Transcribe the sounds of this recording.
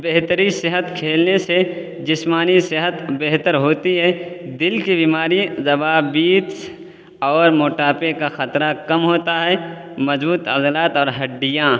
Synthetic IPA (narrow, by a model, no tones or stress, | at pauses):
beɦt̪əɾĩsɪɦət̪kʰeːlnese | d͡ʒɪsmaːnisɪɦət̪beɦt̪əɾɦoːt̪iɦɛːd̪ɪlkibiːmaːɾizɐbaːbiːt̪s | ɔːɾmoːʈaːpekaxɐt̪ɾakɐmɦoːt̪aɦɛː | mɐzbuːt̪ɐzlaːt̪ɔːɾɦɐɖːɪjã